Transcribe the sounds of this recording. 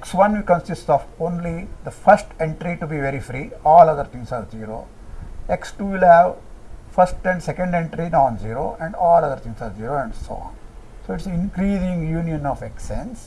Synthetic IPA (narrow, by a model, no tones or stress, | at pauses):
eksʋʌ̃nikə̃nsisʈɔːfõːnlid̪ɐfɐɾsʈẽɳʈɾiʈubiʋeɾifɾiːɔːlɐd̪əɾt̪ʰĩŋsaːɾziːɾo̰ː | eksʈuːʋilhæʋfɐɾsʈɛ̃ɳɖsekə̃ɳɖẽɳʈɾinɔ̃ːnziːɾo̰ːʔɛ̃ɳɖɔːlɐd̪əɾt̪ʰĩŋsaːɾziːɾoːɛ̃ɳɖso̰ɔ̰̃ːn | soːɪʈsĩnkɾiːzĩŋɡjuːnijə̃nɔːfeksẽns